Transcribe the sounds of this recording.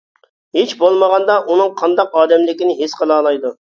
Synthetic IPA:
ɦet͡ʃbolˠməʁɑnd̪ɑʔunɨŋqʰɑnd̪ɑqɑːd̪ɛmlɪkʲɪnɪɦesqəlˠɑːlˠɑjd̪u

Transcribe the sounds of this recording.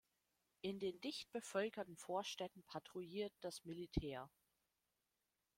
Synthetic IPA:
ʔɪndeːndɪçt̚b̥əfœlkɐtn̩foːɐʃtɛtn̩pʰatʁ̥uiːɐt̚d̥asmilitʰɛːɐ

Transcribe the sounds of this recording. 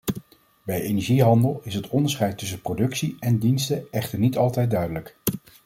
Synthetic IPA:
bɛjejnɛɹʒiɦɑndəlˠɪsɦətʰɔndəɹsχɛjtːɵs̬ənprodɵksiɛndinstəɛχtəɹnitɑlˠtɛjt̚dœɥdələk

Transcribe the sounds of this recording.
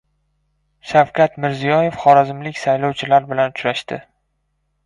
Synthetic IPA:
ʃawkʲʰat̪mɪɾzijɒje̞fχɒɾazɪmlɪkʲsajlɒwt͡ʃʰɪlaɾbɪlanʊt͡ʃɾaʃt̪ɪ

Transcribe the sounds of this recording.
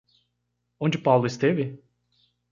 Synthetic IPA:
õnd͡ʒɪpawlˠʊɪst̪evɪ

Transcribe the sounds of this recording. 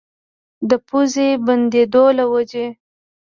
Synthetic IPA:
d̪əpuzeband̪ed̪olawad͡ʒe

